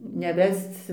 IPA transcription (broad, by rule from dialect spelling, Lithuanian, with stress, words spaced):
nʲɛˈʋʲɛst͡s